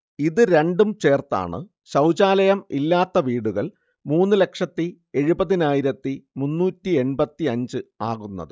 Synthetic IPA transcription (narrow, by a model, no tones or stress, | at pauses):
iðɨɾe̞ɳɖumt͡ɕe̞ːrt̪a̰ːɳɨ̰ | ɕɐwd͡ʑaːlɐjɐmilːaːt̪ːɐʋiːɽuɣɐɭ | muːnːɨle̞kʂɐt̪ːi | e̞ɻubɐðinaːjiɾɐt̪ːimunːuːtːie̞nbɐt̪ːiɐɲd͡ʑɨaːɣunːɐ̰ðɨ